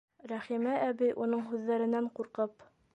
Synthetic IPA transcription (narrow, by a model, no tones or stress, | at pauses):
ɾæχimæʔæbiʔunɤɴɦʉðːæɾɘ̆næɴquɾqɤp